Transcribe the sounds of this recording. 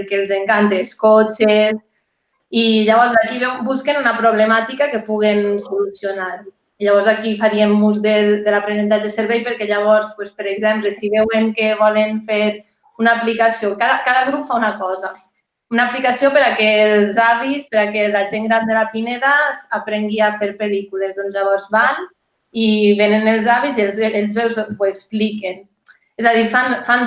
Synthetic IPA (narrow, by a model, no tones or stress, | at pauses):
ɾkelˠzeŋkant̪eskot͡ʃes | iʎaβ̞ɔɾzakiβɛwbuskenunapɾoβlemat̪ikakepuɣensolusjonaɾ | iʎaβɔɾzakifaɾiemːuzðed̪elapɾenent̪ad͡ʒeseɾβɛjpəɾkɛʎaβ̞ɔɾspwespəɾeɡzɛmplesiβɛweŋkeβɔlenfeɾ | unaːplikasiokaðakaðaɣɾupfaunakɔza | unaplikasiopəɾakelzaβispəɾakelaʒeŋɡɾand̪elapineɾasapɾeŋɡiafeɾpelikulezðonzʎaβ̞ɔɾzβan | iβenenelˠzaβizelzelˠzɛwzekspliken | ɛzaðiɾfanfan